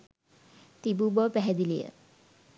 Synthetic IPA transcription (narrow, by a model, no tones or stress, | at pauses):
t̪ibubɔpæɦɛd̪ilijə̰